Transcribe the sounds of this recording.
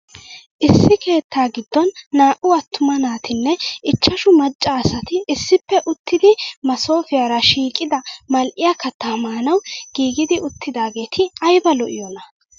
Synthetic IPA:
ʔɪsːɪke̞ːt̪ʰːaːɡɪd̪ːɔnːaːʔʊɐt̪ːʊmɐnaːt̪ɪnːɛɪt͡ʃːɐʃʊmɐt͡ʃʼːaːsɐt̪ɪɪsːɪpːɛʔʊt̪ʰːɪd̪ɪmɐso̞ːfɪjaːɾɐʃiːkʼɪd̪ɐmɐlʔɪjakɐt̪ːɐmaːnɐwɡ̥iːɡɪd̪ɪʊt̪ʰːɪd̪aːɡe̞ːt̪ʰɪɐjbɐlɔʔɪ̰jonɐ

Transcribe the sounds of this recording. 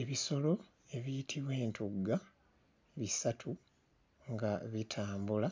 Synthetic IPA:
e̞βiso̞lo̞ | e̞βijitʰiβwe̞ːntʰuɡa | βisatʰu | ŋɡaβitʰaːmbula

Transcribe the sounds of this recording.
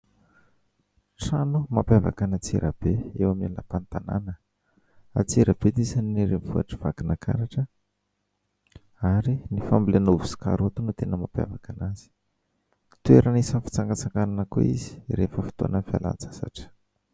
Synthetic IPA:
ʈ͡ʂanumampjava̰kanat͡sḭɾʔə̰b̥eewamilapant̪ana̰nə | a̰t͡siɾəb̥et̪isaniniɾenvuaʈ͡ʂəv̥aɡinakʰa̰ɾaʈ͡ʂə | aɾinifambilenovu̥si̥ka̰ɾot̪unut̪enəmapja̰vakanaz̥i̥ | t̪ueɾʔanisənfi̥t͡saŋɡat͡saŋɡananəko̰izi̥ɾefəfi̥t̪o̰anənfia̰la̰nt͡sḁsa̰ʈ͡ʂə̥

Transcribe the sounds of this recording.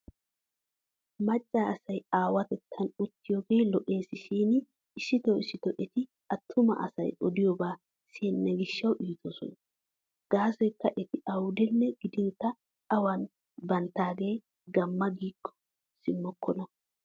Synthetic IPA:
mɐt͡ʃʼːaːɐsɐjaːwɐt̪ɛt̪ʰːɐnʊt̪ːɪjoːɡeːlɔʔe̞ːsɪʃiːn | ɪʃɪt̪ɔwɪsɪt̪ɔʔɛt̪ɪ | ɐt̪ʰːʊmɐ̰ʔɐ̰sɐ̰jʔɔd̪ɪjɔbaː | sinːɛɡɪʃːɐwʔiːt̪ʰɔsɔ̰n | ɡ̥aːsɔjkːɐʔɛt̪ɪʔɐwʊd̪ɛnːɛɡ̥ɪd̪ɪnt̪ːɐː | wɐn | bɐnt̪ːaːɡe̞ː | ɡɐmːɐɡiːkʰːɔ̥ | sɪmːɔkʰːɔnɐ

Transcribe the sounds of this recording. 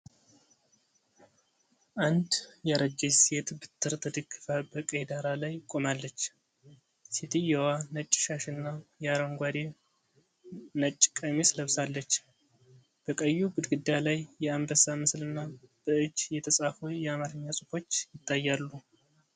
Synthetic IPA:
ʔand̪jɛɾəd͡ʒejset̪bɨt̪ʰːɨɾt̪ʰəd̪ɨɡːɨfəbəkʼəjd̪aɾalajkʼo̞malːət͡ʃː | set̪ʰijɛwanət͡ʃʼːɪʃaʃɨnːajɛaɾəŋɡʷad̪e | nət͡ʃʼːɪkʼəmesləβsalːət͡ʃː | b̥əkʼəjːuɡɨd̪ɡɨd̪ːjalajjɛambəsamɨslɨnːab̥əɨd͡ʒːjɛt̪ʰəsʼafujɛamaɾɨɲːasʼɨfo̞t͡ʃːjɪt̪ʰːajːalːu

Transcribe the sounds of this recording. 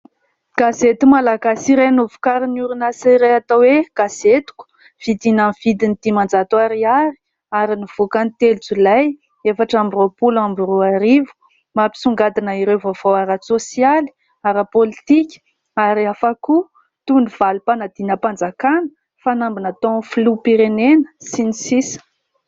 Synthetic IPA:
ɡ̥azet̪umalaɡasiɾenuvu̥kaɾinuɾunasaɾeat̪aweɡ̥az̥et̪u̥ku̥ | v̥id̪inamivid̪inid̪̥imand͡zat̪waɾiaɾi̥ | aɾiniv̥ukanit̪elt͡sulaj | efaʈ͡ʂambiropulambuɾuaɾivu̥ | mapi̥suŋɡad̪inəiɾewvov̥owaɾasosijali̥ | aɾapolit̪ikʲ | aɾiafaku | t̪univ̥alupanad̪inəpand͡zakanə̥ | fanambinat̪oflupiɾenenə̥sinisisə̥

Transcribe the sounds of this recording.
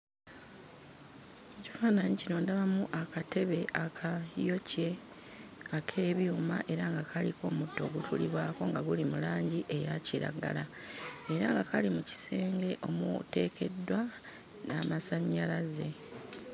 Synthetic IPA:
eci̥faːnaɲicino̞ːndaβamuʔakatʰe̞βe̞ʔakʰajo̞ce̞ | akʰe̞ːβjuːmaʔe̞ɾaŋɡakʰaliko̞ːmudːo̞ːɡutʰṵlḭβwaːko̞ŋɡaɡulimulaːɲɟiʔe̞jaciɾa̰ɡa̰la | e̞ɾaŋɡakʰalimuci̥se̞ːŋɡe̞ʔo̞mṵte̞ːkʰe̞dːwa | naːmasaɲːalaze̞

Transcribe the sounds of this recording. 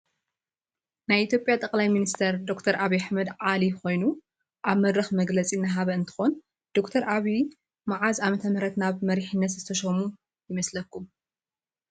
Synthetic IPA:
najʔit̪ʰjo̞pʼjat̪ʼɐkʼlajminist̪ʰɐɾd̪o̞kt̪ʰɐɾʔaβiaħmɐd̪ʕaliko̞jnu | ʔaβmɐd̪ɾɐxmɐɡlɐt͡sʼinːaɦaβɐɨnt̪ʰɨ̥xon | d̪̥o̞kt̪ʰɐɾʔaβi | maʕazamɐt̪ʰɐmɐɾɐt̪naβmɐɾiħinːɐt̪zɨt̪ʰɐʃɐmu | jɪmɐslɐkːum

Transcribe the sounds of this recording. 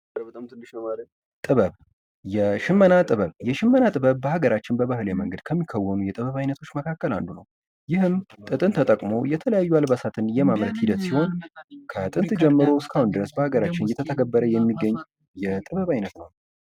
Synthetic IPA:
bət̪amt̪ɨnːɨʃəmal | t̪ʼɨβəβ | jɛʃɪmːənat̪ʼɨβəβjɛʃɪmːənat̪ʼɨβəβbəhaɡəɾat͡ʃːɪnbəβahɨljeməŋɡəd̪̚kʰəmːikʰːəwːənujɛt̪ʼɨβəβajnət̪ʰo̞t͡ʃːməkʰakːəla̰nd̪unəw | jɪhɨmt̪ʼɨt̪ʼɨnt̪ʰət̪ʼəkʼmo̞jɛt̪ʰələjajːualbasat̪ʰɨnjɛmamɾət̪hid̪ət̪siho̞nkʰət̪ʼɨnt̪d͡ʒɛmːɨɾoskʰahund̪ɨɾəsbəhaɡəɾat͡ʃːɪnjɛt̪ʰət̪ʰəɡəbːəɾəjɛmːiɡːəɲː | jɛt̪ʼɨβəβajnət̪nəw

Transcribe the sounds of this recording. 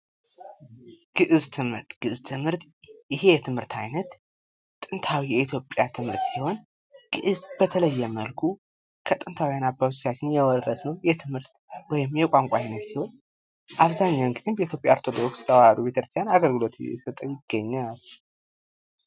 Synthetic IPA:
ɡ̥ɨʔɨzt̪ʰɨmɾt̪ɡ̥ɨɨzt̪ʰɨmhɨɾt̪ | ɪɦe̞jɛt̪ʰɨmhɨɾt̪ʰa̰jnət̪ | t̪ʼɨnt̪ʰawijɛit̪ʰjo̞pʼːjat̪ʰɨmhɨɾt̪siho̞n | ɡ̥ɨʔɨzbət̪ʰələjːɛməlkʰu | kʰət̪ʼɨnt̪ʰawijanabːawt̪̬ʰot͡ʃːat͡ʃːɪnjɛwɔːəsnəwjɛt̪ʰɨmhɨɾt̪ | wɔjɪmjɛkʷʼaŋkʷʼaajnət̪siho̞n | ʔaβzaɲːawŋɡɨzimbəit̪ʰjopʼja̰ɾt̪ʰo̞d̪okst̪ʰəwaad̪ubet̪ʰəɾst̪ʰjanaɡəlɡɨlo̞t̪ɛ̰sət̪ʼəwjɪɡ̥ːəɲːal

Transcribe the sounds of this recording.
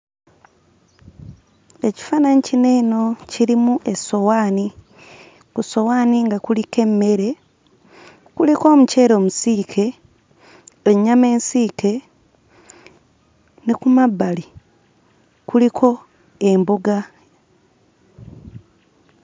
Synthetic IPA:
e̞ci̥fananicine̞ːno̞ciɾimuʔe̞so̞waːni | kuso̞waːniŋɡakulike̞mːe̞ɾe̞ | kuliko̞ːmuce̞ːɾo̞ːmusiːkʰe̞ | eɲame̞ːnsiːke̞ | nekumabːali | kulikʰo̞ | embuɡa

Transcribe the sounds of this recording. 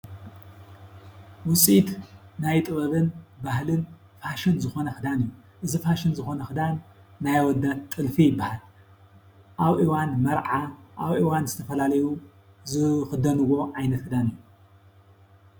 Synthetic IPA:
wʊsʼit̪najt̪ʼɨβɐβɨnbahlɨn | faʃɨnzɨxo̞nɐxɨd̪anɨjːu | ʔɨzifaʃɨnzɨxo̞nɐxɨd̪anː | ajwɔd̪att̪ʼːɨlfijɪbːahal | ʔaβʔiwanmɐɾʕaʔaβʔiwanzɨt̪ʰɐfɐlalɐju | zɨxɨd̪ɐnɨwo̞ʕajnɐt̪hɨd̪anɨjːu

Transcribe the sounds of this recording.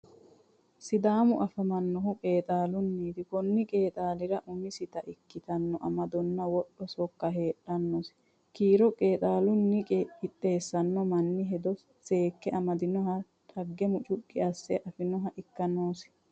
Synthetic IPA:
sɪd̪aːmʊʔɐfɐmɐnːɔhʊkʼe̞ːt̪ʼaːlʊnːiːd̪ɪkɔnːɪkʼe̞ːt̪ʼaːlɪɾɐʔʊmɪsɪt̪ɐʔɪkːɪt̪ɐnːɔʔɐmɐd̪ɔnːɐwɔɗːɔsɔkːɐɦe̞ːᶑɐnːɔs | kiːɾɔkʼeːt̪ʼaːlʊnːɪkʼeɪt̪ʼːe̞ːsːɐnːɔmɐnːɪɦɛd̪ɔ | seːkːɛʔɐmɐd̪ɪnɔɦɐ | t̪ʼɐɡːɛmʊt͡ʃʼʊkʼːɪɐsːɛʔɐfɪnɔɦɐʔɪkːɐnoːs

